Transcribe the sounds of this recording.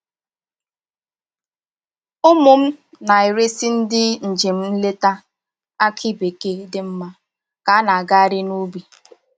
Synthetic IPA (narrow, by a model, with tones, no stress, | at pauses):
ʊ˦mʊ˨m̩˦ | na˨e˨ɾe˦si˦n̩˦dɪ˦n̩˨d͡ʒe˨m̩˦n̩˦le˦ta˦ | a˦kʰɪ˦be˨ke˦dɪ˦m̩˦ma˦ | ka˨˦na˨a˨ɡa˦a˦ɾɪ˦nu˦bi˨